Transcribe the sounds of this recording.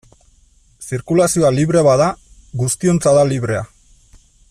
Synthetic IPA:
siɾkulasio̞aliβɾe̞βaða | ɣust̪io̞nt͡saðaliβ̞ɾe̞a̰

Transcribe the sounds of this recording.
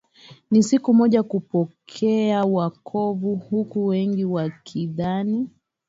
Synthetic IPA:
nisikumɔʄakupɔkʰɛawakʰɔvuhukuwɛŋɡiwakʰiðani

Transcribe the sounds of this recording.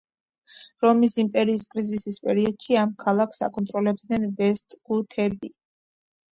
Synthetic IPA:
ɾɔmisimpʼɛɾiːskʼɾizisispʼɛɾiɔd̪̥ʃiamkʰalˠakʰsa̰kʼɔnt̪ʼɾɔlɛb̚d̪nɛnvɛst̪ʼɡ̥ut̪ʰɛbi

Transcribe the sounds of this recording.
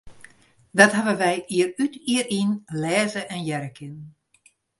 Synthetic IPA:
dɔtɦaʋənʋɛjʔiːərytiərinlɛːzəʔɛnjɛɾəkʰɪn

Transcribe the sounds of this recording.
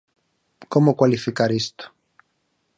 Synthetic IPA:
komokwalifikaɾist̪o̥

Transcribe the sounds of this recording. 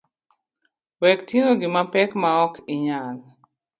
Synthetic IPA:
wɛktiŋoɡɪmapɛkmaɔkʰɪɲal

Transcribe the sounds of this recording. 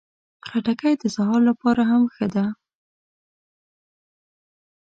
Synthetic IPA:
xaʈakajd̪əsahɑllapɑɾaɦamxəd̪a

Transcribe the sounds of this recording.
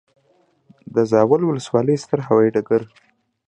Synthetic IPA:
d̪əzɑwalwʊləswɑləjst̪əɾɦawɑjiʈakəɾ

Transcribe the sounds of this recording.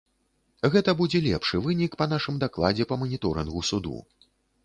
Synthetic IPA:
ɣɛt̪ɐbud͡zʲɛlʲɛpʂɨvɨnʲikpɐnaʂɨmd̪aklˠad͡zʲɛpɐmɐnʲit̪ɔɾɨnɣusud̪ṵ

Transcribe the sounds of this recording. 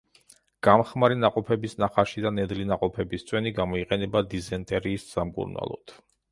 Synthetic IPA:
ɡ̥amχmaɾinaqʼɔpʰɛbisnaχaʃid̪anɛd̪linaqʼɔpʰɛbist̪sʼwɛniɡamɔiqʼɛnɛbad̪izɛnt̪ʼɛɾiːsz̥amkʼṵɾna̰lˠɔ̰d̪̥

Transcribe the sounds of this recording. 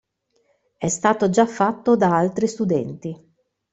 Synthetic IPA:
ɛst̪aːt̪od͡ʒafːat̪ːod̪aalt̪ɾist̪ud̪ɛnt̪i

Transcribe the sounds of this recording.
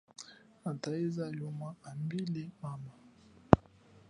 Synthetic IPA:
ataizajɔmaambilɛmama

